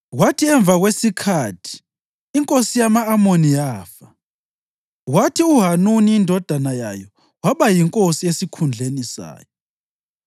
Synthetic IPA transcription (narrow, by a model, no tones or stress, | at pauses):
watʰiɛɱbvʱaɣwesikʰatʰi̥ː | ŋkʼosijamaːmonijaːfa | ɣwatʰiuɦanuniːndʱɔd̥ʱanaja̰jɔ | waβajiŋkʼosiesikʰund͡ɮʱenisa̰ːjɔ